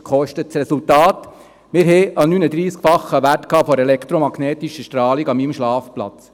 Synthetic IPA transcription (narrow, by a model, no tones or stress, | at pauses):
kχɔʃtətsɾɛsultɑːt | mɪɾɦɛʔɑnynəd̪ɾiːskfɑχːəʋærtkʰɑːfɔɾɛlɛkʰt̪ɾomɑɡnɛːt̪iʃəʃtɾɑːliɡɑmimʃlɑːfplɑ̰t͡s